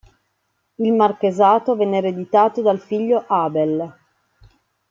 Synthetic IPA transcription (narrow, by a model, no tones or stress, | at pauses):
ilmarkezaːt̪ovɛnːeɾed̪it̪aːt̪od̪alfiʎːoʔaːbel